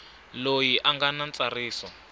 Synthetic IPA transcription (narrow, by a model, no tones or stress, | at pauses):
lojiʔaŋɡanant͡sariːsɔ